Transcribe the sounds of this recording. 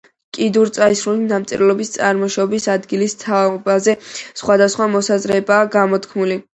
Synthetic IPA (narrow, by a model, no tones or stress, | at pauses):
kʼid̪uɾt̪sʼaisɾulinamt̪sʼḭllɔbist̪sʼa̰ɾmɔʃɔbisad̪ɡilist̪ʰaɔbazɛsχwad̪asχwamɔsazɾɛbaːɡamɔt̪ʰkʰmuli